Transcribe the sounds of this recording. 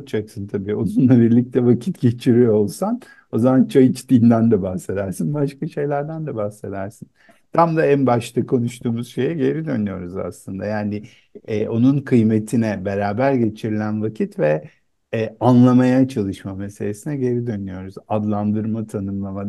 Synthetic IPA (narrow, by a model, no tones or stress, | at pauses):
d͡ʒaksɯnt̪ʰabiːonunlˠabiɾlʲic̚t̪ʰɛvacʰit̪ɟe̞t͡ʃʰiɾijolˠsan | o̞zamant͡ʃʰajit͡ʃt̪ʰiːnd̪ænd̪ɛbahse̞d̪æɾsinbaʃkaʃe̞jlʲæɾd̪ænd̪ɛbahse̞d̪æɾsin | t̪ʰamd̪aænbaʃt̪ʰakʰo̞nuʃt̪ʰuːmuz̥ʃe̞jɛɟe̞ɾid̪ønyjo̞ɾuza̰slˠɯnd̪ajaːnɪ | ɛːʔo̞nunkʰɯjme̞t̪ʰinɛbe̞ɾaːbæɾɟe̞t͡ʃʰiɾilʲænvacʰit̪vɛː | anlˠamajat͡ʃʰalˠɯʃmame̞selʲesinɛɟe̞ɾid̪ønyjo̞ɾuzad̪lˠand̪ɯɾmat̪ʰanɯmlˠamad̪